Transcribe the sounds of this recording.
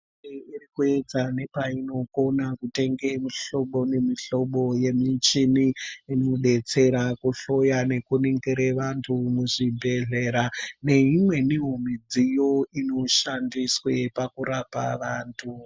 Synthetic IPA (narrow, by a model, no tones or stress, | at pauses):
eirikue̞d͡zane̞paino̞ko̞nakute̞ŋɡe̞miɬo̞ɓo̞ne̞miɬo̞ɓo̞je̞mit͡ʃiniinoɗe̞t͡se̞ɾakuɬo̞jane̞kuniŋɡiɾeʋantʰumuʐibʱe̞ɮe̞ɾane̞imwe̞niɦomid͡zijo̞ino̞ʃandiswe̞pakuɾapa̰ʋaːntʰu